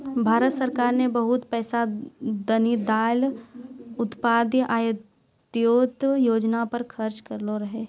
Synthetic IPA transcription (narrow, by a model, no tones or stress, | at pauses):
bʱaːɾət̪səɾkaːɾnebɐɦʊt̪pɛːsad̪ɐnid̪aːl | ʊt̪paːd̪jʔaːjə | t̪joːt̪joːd͡ʒnapɐɾkʰɐɾt͡ʃkɐɾloɾɐɦeː